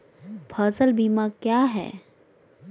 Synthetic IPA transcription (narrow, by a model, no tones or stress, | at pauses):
pʰazəlbiːmaːkjaːɦɛ̰ː